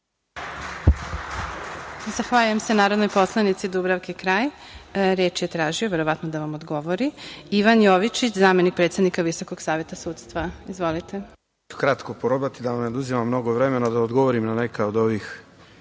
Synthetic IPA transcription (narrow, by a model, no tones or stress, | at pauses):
zaxʋaʎuje̞msenaːɾod̪nojpo̞slˠanit̪sid̪ubɾaʋkekɾaj | ɾeːt͡ʃjet̪ɾaːʒio̞ʋe̞ɾo̞ʋat̪nod̪aʋamod̪ɡo̞ʋoɾiiʋanjo̞ʋit͡ʃit͡ɕzame̞nik̚pɾet̪sed̪nikaʋiso̞ko̞ɡ̥saːʋje̞t̪asuːt̪st̪ʋaizʋo̞lit̪e̞̥ | kɾat̪kopoɾobat̪id̪aʋamnad̪uzimamːno̞ɡoʋɾemenad̪aod̪ɡoʋoɾimnanekaod̪oʋiːx